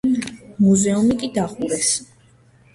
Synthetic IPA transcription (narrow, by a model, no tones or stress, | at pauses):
muzɛumikʼid̪aχuɾɛs